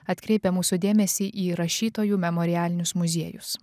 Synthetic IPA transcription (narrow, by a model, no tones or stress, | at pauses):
ɐt̪ʲkɾʲɛɪpʲɛmuːsʊd̪ʲeːmʲɛsʲiːʔiːɾɐʃʲiːt̪oːjuːmʲɛmɔːɾʲɪæːlʲɪnʲʊsmʊzʲiɛjʊ̰s